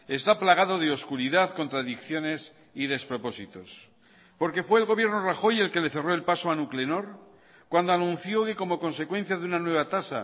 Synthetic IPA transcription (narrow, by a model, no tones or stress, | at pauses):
e̞st̪aplaɣ̞aðo̞ðeo̞skuɾiðaðko̞nt̪ɾaðikθjo̞ne̞s | iðe̞spɾo̞po̞sit̪o̞s | po̞ɾke̞fwe̞ːlɣo̞βje̞ɾno̞raxo̞je̞lke̞le̞θero̞e̞lpaso̞anukle̞no̞ɾ | kwand̪o̞anũnθjo̞ke̞ko̞mo̞ko̞nse̞kwe̞n̟θjaðeunanwe̞β̞at̪asa̰